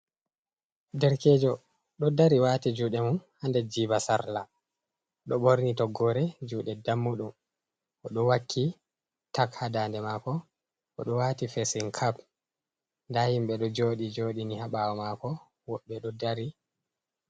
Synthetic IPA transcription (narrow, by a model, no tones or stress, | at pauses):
dɛɾkɛːd͡ʒɔ | ɗɔdaɾiwaːtid͡ʒuːɗɛmunhandɛd͡ʒibasaɾla | ɗɔɓoɾnitɔɡːɔɾɛd͡ʒuːɗɛdamːuɗum | ʔɔɗɔwakʰːi | takhadandɛmaːkɔ | ʔɔɗɔwaːtifesiŋkʰap | ndahimɓɛɗɔd͡ʒoːɗid͡ʒoːɗinihaɓawɔmakɔ | wɔɓːɛɗɔdaɾi